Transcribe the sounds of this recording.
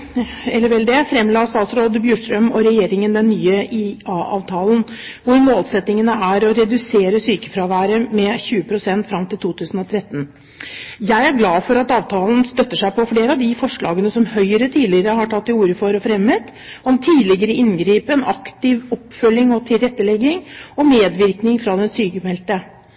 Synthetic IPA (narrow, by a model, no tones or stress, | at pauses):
ɛlːəɾʋɛld̪ɛfɾɛmlɑːst̪ɑːt̪sɾoːd̪bjʉːʂʈ̪ɾœmɔɾɛjeːɾɪŋənd̪ɛnːyːəʔiɑːʔɑ̰ːʋt̪ʰɑːlənʋʊɾmoːlsɛt̪nɪŋənəæɾɔɾɛd̪ʉseːɾəsyːkə̥fɾɑʋæːɾəmɛçʉːəpʰɾʊsɛnt̪fɾɑmt̪ʰɪlt̪uːt̪ʰʉːsn̩ɔt̪ʰɾɛt̪ːn̩ | jæɪæɾɡlɑːfɔɾɑt̪ɑːʋt̪ʰɑːlənst̪œt̪ːəʂæɪpɔfleːɾəɑʋd̪ɪfɔʂɭɑ̰ːɡənəsɔmhœʏɾət̪ʰiːlɪəɾəhɑʈʰɑt̪ːɪuːɾəfɔɾɔfɾɛmːət̪ | ɔmt̪ʰiːlɪɡəɾəʔɪnɡɾiːpəɛnɑkt̪ɪʋɔpːfœlːɪŋɔt̪ʰɪlɾɛt̪ːəlɛɡːɪŋɔmeːd̪ʋɪɾknɪŋfɾɑd̪ɛnsyːkəfɛlt̪ə